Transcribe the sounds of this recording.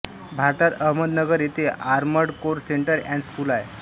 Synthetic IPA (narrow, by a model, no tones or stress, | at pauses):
bʱaɾt̪at̪əɦməd̪nəɡəɾjet̪eʔaɾməɽkoɾseɳʈəɾɛ̃ɳɖskuːlae